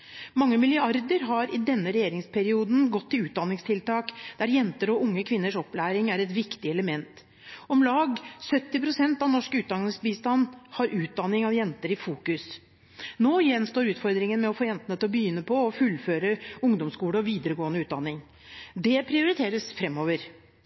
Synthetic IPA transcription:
mɑŋːəmɪljøːɑɾd̪əɾɦɑɾɪd̪ɛnːəɾɛjeːɾɪŋspʰɛɾɪuːd̪n̩ɡɔt̪ʰːɪlʉːt̪̚d̪ɑnːɪŋst̪ʰɪlt̪ɑːkd̪̥æɾjɛnt̪əɾɔʔʊŋːəkʰʋɪnːəʂɔplæːɾɪŋæɾɛt̪ʋɪkt̪ɪɛləmɛnt̪ | ɔmlɑːɡsœt̪ːɪpʰɾʊsɛnt̪ɑʋnɔʂkəʉːt̪̚d̪ɑnɪsbiːst̪ɑnːhɑɾʔʉːt̪̚d̪ɑnːɪŋɑʋjɛnt̪əɾɪfuːkʉs | noːjɛnst̪oːɾʉːt̪fɔɾd̪ɾɪŋənmɛɔfoːjɛnt̪nət̪ʰlɔbəjʏnːəpʰɔɔfʉlføːɾəʊŋd̪ɔmskuːɽəɔʋiːd̪əɾəɡoːənəʉːt̪̚d̪ɑnːɪŋ | d̪ɛpʰɾɪʊɾɪt̪ʰeːɾəsfɾɛmːoːʋəɾ

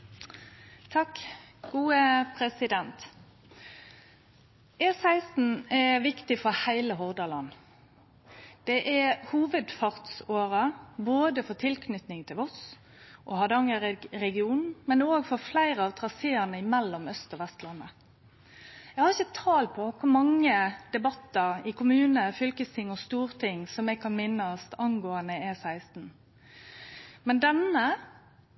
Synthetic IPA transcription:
t̪ʰɑkːɡ̥uːəpʰɾɛsɪd̪ɛnt̪ | eːsæɪsn̩ɛʋɪkt̪ɪfɔɾhæɪləɦɔʁd̪ɑlɑnː | d̪̥ɛʔæhuːʋəd̪fɑʁt̪soːɾəboːd̪əfɔt̪ʰɪlkʰnʏt̪nɪŋt̪ʰɪlɔs | ʔɔ̰hɑd̪ɑŋəɾɛɡɪuːnmɛnoːɡfɔflæɪɾəɑʋt̪ʰʁɑseːənəɪmɛlːɔmœst̪ɔʋɛst̪lɑnːə | ɛɡhɑɾɪçət̪ʰɑːlpʰɔkʰʊɾmɑŋːəd̪̥ɛbɑt̪ːəɾɪkʊmʉːnəfʏlkəst̪ʰɪŋːɔst̪uːʁt̪ʰɪŋːsɔmɛɡ̚kʰɑnmɪnːəst̪ɑnɡoːənəɛsæɪst̪n̩ | mɛnd̪ɛnə

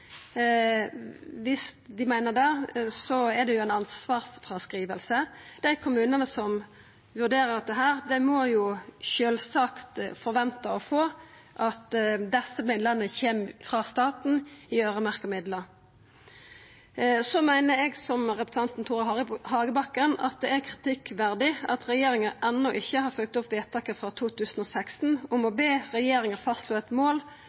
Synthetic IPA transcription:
ʋɪstd̪ɪmæɪnəʁd̪ɑsɔɛd̪ɛjʊæɪnɑnsʋɑːʁfʁɑskʁiːʋəlsəd̪̥æɪkʰʊmʉːnənəsɔm | ʋʉʁd̪eːɾʁədɑt̪ːəɦæːʁd̪æɪmɔjʊʃøːlsɑːkt̪fɔʁʋɛnt̪əɔfoː | ʔɑt̪d̪ɛsːəmɪnlɑnəçeːmfʁɑːst̪ɑːt̪n̩ɪøːʁəmæʁkəmɪd̪lə | sɔmæɪnəɾɛɡsɔmʁɛpɾə̥sʰɑnt̪n̩t̪ʰuːʁɑhɑːɡəbɑkːənɑ̰t̪̚d̪ɛæʁkʰʁɪ̥t̪ʰɪkʋæʁd̪ɪɑt̪ʁɛjeːɾɪŋəʔɛnːɔʔɪçːəhɑʁfœlk̚t̪ʊpʋeːt̪ʰɑːkəfʁɑt̪ʰuːt̪ʰʉːsən̩ɔːsækst̪n̩ʊmɔbeːʁɛjeːɾɪŋəfɑst̪luːɛt̪moːl

